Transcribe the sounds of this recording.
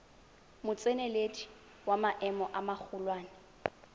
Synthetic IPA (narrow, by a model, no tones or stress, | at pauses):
mʊt͡sʼeneledʼi̥ | wamaʔɛmɔʔamak͡xʰʊlwaːnɪ